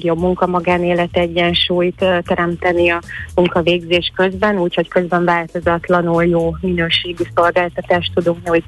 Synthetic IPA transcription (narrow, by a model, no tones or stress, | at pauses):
ɡjo̞bmuŋkɒmɒɡaːneːlɛt̪ɛɟːɛnʃuːjt̪t̪ɛɾɛmt̪ɛniɒmuŋkɒveːɡzeːʃkø̞zbɛnuːcho̞ckø̞zbɛɱvaːlt̪o̞zɒt̪lɒnuljoːminøːʃeːɡiso̞lɡaːlt̪ɒt̪aːʃt̪ud̪uŋknɛu